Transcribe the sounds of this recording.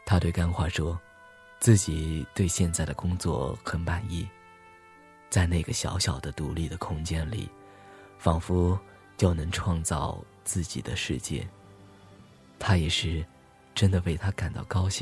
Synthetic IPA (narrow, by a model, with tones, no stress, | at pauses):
t̪ʰa˥t̪we˥˩ɪka˥nxwa˥˩ʂwɔ˥ | t͡sɹ̩˥˩t͡ɕi˨˩t̪we˥˧ɪɕjɛ˥˧nt͡sa˥˩ɪd̪ə˩kʊ˥ŋt͡swɔ̰˥˩xə˧˥npa˨˩ni˥˩ | t͡sa˥˧ɪne˥˩ɪɡə˩ɕjɑ̰˧˥ʊɕjɑ˨˩ʊd̪ə˦t̪u˧˥li˥˩d̪ə˩kʰʊ˥ŋt͡ɕjɛ˥nlḭ˨˩˦ | fɑ˨˩ŋfu˥ | t͡ɕjo˥˩ʊnɤ˧˥ŋʈ͡ʂʰwɑ˥˧ŋt͡sɑ˥˧ʊ | t͡sɹ̩˥˩t͡ɕḭ˨˩d̪ə̰˦ʂɻ̩˥˧t͡ɕjɛ̰˥˩ | t̪ʰa˥jɛ˨˩ʂɻ̩˥˩ | ʈ͡ʂə˥nd̪ə˨we˥˩ɪt̪ʰa˥ka˨˩nt̪ɑ̰˥˩ʊkɑ˥ʊɕi˥˩ŋ